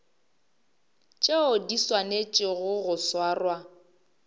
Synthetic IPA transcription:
t͡ʃʼeʊdiswanet͡ʃʼɪɣʊɣʊswaːrwa

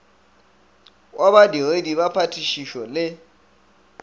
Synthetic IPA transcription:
wʔabadiedibapʰatʰʼiʃiʃɔlɪ

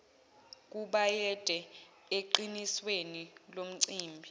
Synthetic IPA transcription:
k̬uɓajɛd̥ʼʱɛ | eǃiniswenilom̩ǀiːmbʱi

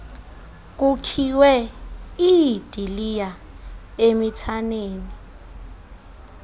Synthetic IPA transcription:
k̬ʼukʰiwɛ | id̥ʱilija | emitʰaneːni

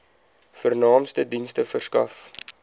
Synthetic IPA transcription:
fərnɑːmstədinstəfərskɐ̰f

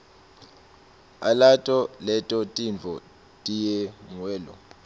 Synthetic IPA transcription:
a̰latʼɔlɛtʼɔtʼiɱvʱɔ | tʼijɛŋwɛːlɔ̰

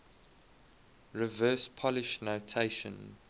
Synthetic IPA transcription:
ɹivɜːˑspʰɔlɪʃnotʰeɪʃə̰̃n

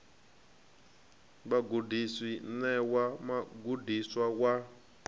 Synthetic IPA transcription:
ɓaɡudiswinɛwamaɡudiswawa

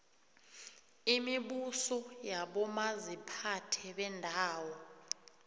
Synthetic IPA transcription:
imiɓusɔjaɓɔmazipʰatʰɛɓɛndʱaːwɔ

